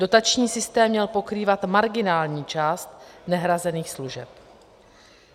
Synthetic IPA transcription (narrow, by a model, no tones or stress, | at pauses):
do̞t̪at͡ʃɲiːsɪst̪ɛːmːɲɛlpo̞kɾiːvat̪maɾɡɪnaːlɲiːt͡ʃaːst̪nɛɦɾazɛniːxsluʒɛp